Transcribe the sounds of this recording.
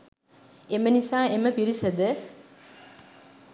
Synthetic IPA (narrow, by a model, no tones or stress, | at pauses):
emənisaːeməpiɾisəd̪ə